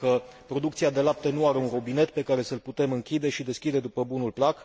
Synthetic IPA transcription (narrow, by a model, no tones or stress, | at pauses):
kəpɾo̞d̪ukt̪siad̪e̞lap̚t̪e̞nuaɾe̞unɾobine̞t̪pe̞kaɾe̞səlput̪e̞mɨŋkʲid̪e̞ʃid̪e̞skʲid̪e̞d̪upəbunulplak